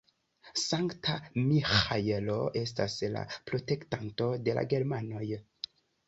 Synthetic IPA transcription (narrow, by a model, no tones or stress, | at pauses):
saŋktʰamixajelo̞ʔe̞stasla̰pɾo̞te̞ktanto̞de̞la̰ɡe̞ɾmano̞j